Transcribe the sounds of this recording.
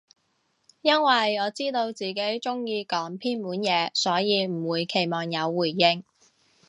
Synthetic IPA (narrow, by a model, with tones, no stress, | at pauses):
jɐ˥nwɐ˨jɔː˨˧t͡siː˥t̪o˧wt͡siː˨˩ke˨˥jt͡ʃʊ˥ŋjiː˧kɔː˨˥ŋpʰiː˥nmuː˨˥njɛː˨˧sɔː˨˥jiː˨˧m̩˨˩wuː˨˧jkʰe˨˩jmɔː˨˩ŋjɐ˨˧wːuː˨˩jːɪ˧ŋ